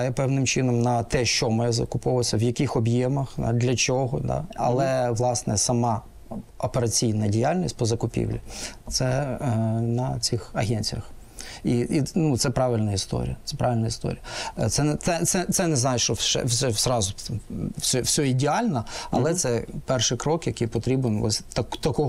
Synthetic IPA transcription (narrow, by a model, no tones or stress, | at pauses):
jɛpɛʋnɪmt͡ʃɪnɔmnɐt̪ɛʃt͡ʃɔmɔjɛzɐ̰kʊpɔʋsʲɐʋjɐkʲixɔbjɛmɐxd̪ɑ̰d̪lʲɐt͡ʃɔɦɔd̪ɑ̰ɐ̰lˠɛʋlˠɑsnɛsɐmɑ | ɔpeɾɐt͡sʲijnɐdʲɪjalʲnʲisʲt̚ʲpɔzɐkʊpʲḭwlʲit̪sɛ | nɐt͡sʲixɐɦɛnʲt͡sʲijɐx | iinut̪sɛpɾɑʋɪlʲnɐist̪ɔ̰ɾʲḭjɐt̪sɛpɾʔɑʋʲɪlʲnɐist̪ɔ̰ɾʲijɐt̪sɛnɛt̪sɛt̪sɛt̪sɛnɛznɑjɪʃt͡ʃɔʃɛ̰ʃɛsrɑzʊ | sʲɔwsʲɔidʲɪɑlʲnɐɐ̰lˠɛt̪sɛpɛrʃɪjkɾɔkjɐkijpɔt̪ɾʲibenɔ̰sʲt̪ɐkt̪ɐkɔ